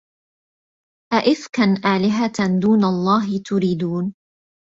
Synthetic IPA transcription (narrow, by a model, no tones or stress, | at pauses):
ʔaʔɪθkanʔaːlɪɦad̪uːnalˤːɑːɦɪt̪ʊɾiːd̪uːn